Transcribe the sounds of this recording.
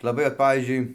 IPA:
lˠɐˈbɐɪ oːt ˈpɑːʋʲiːzʲd͡ʒʲʊɪ

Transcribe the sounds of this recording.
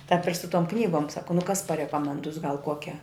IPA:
tɑːp ɪr sʊ toːm ˈknʲiːɡoːm ˈsɑːkoː nʊ kɐs pɐrʲɛkoːmʲɛnˈdʊs ɡɐlˠ ˈkuɔkʲɛ

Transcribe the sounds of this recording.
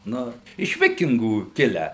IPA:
ˈnʊ ɪʃ ˈʋʲɪkʲɪŋɡuː ˈkʲɪlʲæː

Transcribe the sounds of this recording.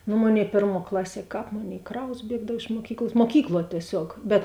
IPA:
nʊ ˈmoːˌnʲeːɪ ˈpʲeːrˌmuɔ ˈklˠɑːˌsʲiɛ ˈkɑːp ˈmoːˌnʲeːɪ ˈkrɐʊs ˈbʲiɛɡdɐw ɪʃ muɔˈkʲiːklˠs muɔˈkʲiːklˠuɔ tʲiɛˈsʲoːk bʲɛt

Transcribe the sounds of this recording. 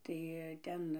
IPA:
tɐɪ ˈtʲɛn

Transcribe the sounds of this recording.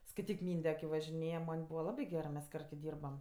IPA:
skɐɪˈtʲiːk ˈmʲiːnʲdʲɛ kʲɪ ʋɐʒʲɪˈnʲeːjɛ ˈmɐnʲ ˈbuːʋɐ ˈlˠɑːbʲɪ ɡʲɛrɜ mʲɛs ˈkɐrt kʲɪ ˈdʲiːrbɐm

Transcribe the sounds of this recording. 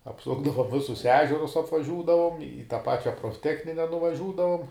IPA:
ɐpˈsʊɡdɐʋoːm ˈʋʲɪsʊs ˈæːʒʲɛrʊs ɐpʋɐˈʒʲuːdɐʋoːm ɪ tɑː ˈpɑːt͡ʃʲɛ proːfʲˈtʲæːxʲnʲɪnʲɛ nʊʋɐˈʒʲuːdɐʋoːm

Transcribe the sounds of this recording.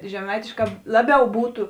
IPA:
ʒʲɛˈmɐɪtʲeːʃˌkɑː ˈlˠɑːˌbʲɛʊ ˈbuːtʊ

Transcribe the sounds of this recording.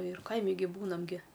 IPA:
ɪr ˈkɐɪmʲɪ ɡʲɪ ˈbuːnɐm ɡʲɪ

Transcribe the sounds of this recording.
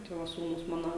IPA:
ˈtɐɪ ʋɐ ˈsuːnʊs ˈmɑːnoː

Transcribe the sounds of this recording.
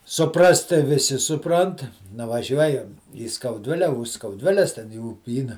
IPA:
sʊˈprɐst tɐɪ ʋʲɪˈsʲɪ sʊˈprɐnt nʊʋɐˈʒʲuɔjɛm iː skɐʊˈdʲʋʲɪlʲɛ ʊʃ skɐʊˈdʲʋʲɪlʲɛs tʲɛn ɪ uːˈpʲiːnɐ

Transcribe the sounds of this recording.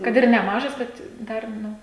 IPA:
ˈkɐt ɪr nʲɛˈmɑːʒɐs ˈbʲɛt ˈdɐr ˈnʊ

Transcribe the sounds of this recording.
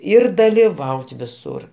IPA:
ˈɪr dɐlʲɪˈʋɐʊt ʋʲɪˈsʊr

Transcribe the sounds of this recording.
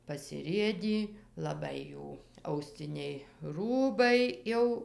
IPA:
pɐsʲɪˈrʲeːdʲiː lˠɐˈbɐɪ ˈjuː ɐʊˈsʲt͡sʲɪnʲɛɪ ˈruːbɐɪ ˈjɛʊ

